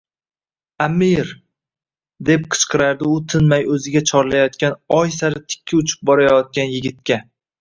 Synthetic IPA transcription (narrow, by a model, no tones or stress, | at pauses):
amiɾ | d̪e̞p̚qʰɨ̥t͡ʃqʰɨɾaɾd̪ɪʊt̪ʰɪnmajɵzɪɡʲat͡ʃʰɒɾlajɒt̪̚kʲanɒjsaɾɪt̪ʰɪ̥kʲʰːɪʊt͡ʃʰɪ̥p̚bɒɾajɒt̪̚kʲanjɪɡʲɪt̪̚kʲa